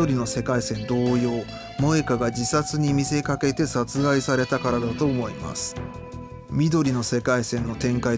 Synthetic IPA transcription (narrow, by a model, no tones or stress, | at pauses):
o̞ɾʲino̞se̞kaisẽ̞nd̪o̞ːjo̞ː | mo̞e̞kaɡad͡ʑisat͡sɨɲ̟imʲise̞kake̞t̪e̞sat͡sɨɡaisaɾe̞t̪akaɾad̪at̪o̞ːmo̞ḭma̰sɨ̥ | mʲid̪o̞ɾʲino̞se̞kaisẽ̞nːo̞t̪ẽ̞ŋkai